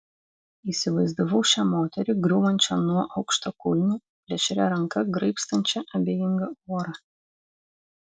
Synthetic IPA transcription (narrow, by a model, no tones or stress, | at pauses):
iːsʲɪʋɐɪzd̪oʋɔʊʃʲɛmoːt̪ʲɛɾʲɪɡɾʲuːʋɐnʲt͡ʃʲɛnuɔʔɐʊkʃt̪okʊlʲnʲu | pʲlʲɛʃʲɛɾʲɛɾɐŋkɐɡɾɐɪpst̪ɐnʲt͡ʃʲɛʔɐbʲejɪŋɡɐuɔɾɐ